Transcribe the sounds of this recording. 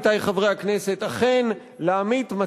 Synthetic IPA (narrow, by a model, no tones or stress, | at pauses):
t̪ajχavʁejakne̞se̞t̪aχe̞n | leamit̪ma